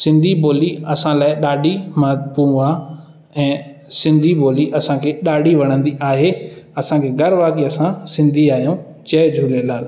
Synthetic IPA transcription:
sɪ̃nd̪ʱiboːliɐsãlaːɪɗaːɖʱimapũũaː | ɛ̃ːsɪ̃nd̪ʱiboːliʔɐsãkʰeːɗaːɖʱiʋɐɽ̃ə̃nd̪iʔaːɦeɐsãkʰeːɡʱɐɾʋaːɡiɐsãsɪ̃nd̪ʱiaːɦijũt͡ɕɐːd͡ʑʱuːlelaːl

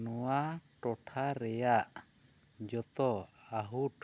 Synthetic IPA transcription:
nɔwaʈɔʈʰaɾɛjaʔ | d͡ʒɔt̪ɔ | aɦuʈ

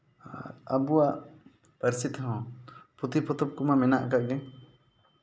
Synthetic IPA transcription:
əbuwaʔ | pəɾsit̪ɦɔ̃put̪ipɔt̪ɔb̚kumamɛnaʔkaʔɡɛ

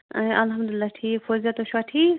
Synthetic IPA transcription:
ʔɐlɦɐmd̪ʊlɪlːaʈʰiːkfozat̪oʃaʈʰiːk

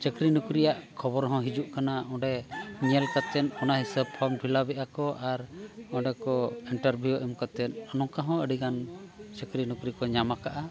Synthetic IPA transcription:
t͡ʃəkɾinukɾijaʔkʰɔbɔɾɦɔ̃ɦid͡ʒuʔkanaɔ̃ɖɛɲɛlkat̪ɛnɔnaɦisəb̚pʰɔɾmpʰilabɛʔakɔʔaɾɔ̃ɖɛkɔiɳʈəɾbʱjuɔʔimkat̪ɛnɔnɔ̃kaɦɔ̃əɖiɡant͡ʃəkɾinukɾikɔɲamakaʔa

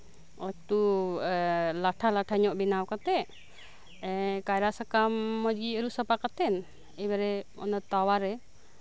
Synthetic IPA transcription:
ɔt̪u | laʈʰalaʈʰaɲɔʔbinawkat̪ɛʔ | ɛkajɾasakamːɔd͡ʒɡiəɾusəpakat̪ɛn | ɛbɛɾɛɔ̰nɔt̪awaɾɛ

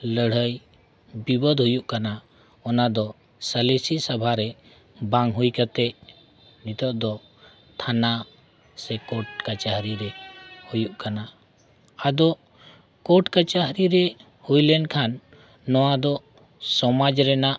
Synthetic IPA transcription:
ləɽ̤əj | bibɔd̪ɦujuʔkana | ɔnad̪ɔ | səlesisabʱaɾɛ | bãŋɦujkat̪ɛʔ | nit̪ʰɔʔ̚d̪ɔ | t̪ʰana | sɛkɔʈ̚kat͡ʃaɦɾiɾɛhujuʔkana | ad̪ɔʔ | kɔʈkat͡ʃaɦɾiɾɛ | hujlɛnkʰanː | ɔwad̪ɔ | sɔmad͡ʒɾɛnaʔ

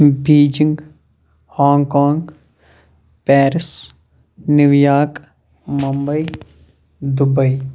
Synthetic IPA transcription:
biːd͡ʒɪŋɡ | haːŋkaːŋɡ | pɛːɾɪs | nɪʋjaːk | mɐmbəi | d̪ʊbəi

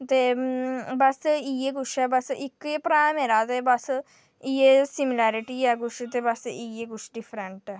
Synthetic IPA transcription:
t̪e | bɐsɨijeɡuʂɐbɐsɨʔikːɨjepɾaːmeɾaːt̪ebɐsɨ | ijesimilaːɾiʈijaɡuʂit̪ebɐsɨʔijeɡuʂɖifɾeɳʈɐ

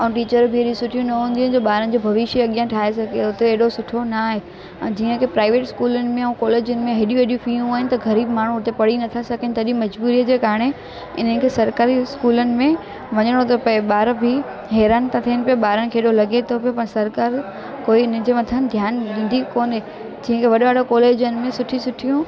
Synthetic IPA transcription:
ɐũʈiːt͡ɕəɾbʱɪeːɗjũsʊʈʰijũnɐɦũːnd̪ĩnɪ̆d͡ʑoːɓaːɾənɪ̆d͡ʑobʱɐʋɪʃəɐɠijãʈʰaːɦesɐɡeʊt̪eeːɗosʊʈʰonaːɦẽ | d͡ʑiːə̃kʰeːpɾaːɪʋeːʈɪskuːlənɪ̆mẽɛ̃ũkɔːleːd͡ʑʊnɪ̆mẽɦeɗjũeɗjũfijũaːɦɪnɪt̪ɐɡɐɾiːbmaːɳ̤uʊt̪epɐɽinɐt̪ʰasɐɡənɪ̆t̪ɐɗĩmɐd͡ʑbuːɾijəd͡ʑeːkaːɾɽ̃e | ɪn̤ənɪ̆kʰeːsɐɾkaːɾiskuːlənɪ̆mẽ | ʋɐɲəɽ̃ot̪ɐpɐeɓaːɾbʱɪ | ɦɛːɾaːnt̪ãt̪ʰiənɪpijoɓaːɾənɪ̆kʰeːɗolɐɡʱet̪ʰopijopɐɽ̃sɐɾkaːɾ | koːiɪnə̆d͡ʑeːʋɐt̪ʰənd̪ʱjaːnɗĩːnd̪ʱikoːne | d͡ʑiːə̃kʰeʋɐɗoʋaːɽokɔːleːd͡ʑənɪ̆mẽsʊʈʰisʊʈʰijũ

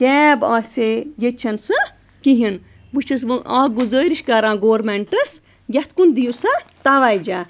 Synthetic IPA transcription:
t͡ʃʲɛːbaːsʲejet͡ʃʰɐnsɨ | kiɦin | bɨt͡ʃʰɐs̬ʋɨʔaːɡuzəːɾiʃkɐɾãːɡoːɾmeɳʈɐs | jʲɐt̪kund̪ijusat̪aʋaːjd͡ʒaː

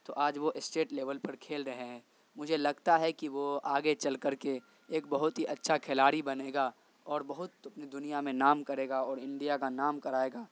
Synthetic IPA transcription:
t̪oʔaːd͡ʒʋoʔɪsʈeːʈleːʋəlpɐɾkʰeːlɾɐɦeɦɛ̃ː | mʊd͡ʒʱelɐɡt̪aɦɛkiʋoaːɡet͡ʃɐlkɐɾke | eːkbɐɦʊt̪ɦiʔɐtːʃʰakʰɛlaːɾibɐneːɡa | ɔːɾbɐɦʊt̪ɐpnid̪ʊnijamẽnaːmkɐɾeːɡaɔːɾɪ̃ɳɖijakanaːmkɐɾaːeːɡaː

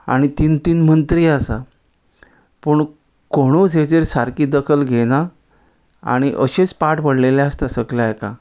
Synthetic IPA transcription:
a̰ɽ̃it̪int̪iːnmənt̪ɾiːasa | pəɳ | koɽ̃ut͡sɦed͡zeɾsaɾkiːd̪əkʰəlɡʱena | a̰ɽ̃iʔəɕet͡spaʈpəɽleljaəst̪asəklajkã̰

